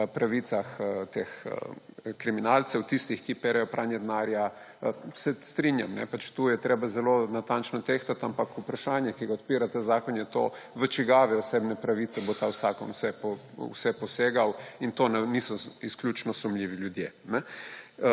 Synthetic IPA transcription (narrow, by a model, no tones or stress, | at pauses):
pɾaʋit̪saxt̪exə̰kɾiminaːlt̪sɛwt̪ist̪ixkipeɾɛjɔpɾʔaːnjɛd̪naːɾja | sɛst̪ɾinja̰mnɛ̰pat͡ʃt̪ujɛt̪ɾeːbazɛlonat̪ant͡ʃnɔt̪ext̪at̪ampakupɾaʃaːnjɛkiɡaɔt̪piːɾat̪ɛzaːkɔnjɛt̪o̰ːʋət͡ʃiɡaːʋɛɔseːbnɛpɾaʋiːt̪sɛbot̪awsaːkɔnwsɛpɔ | wsɛpɔseːɡawint̪oːnanisɔisklʲjut͡ʃnɔsɔmlʲiːʋiljud̪jeːnɛ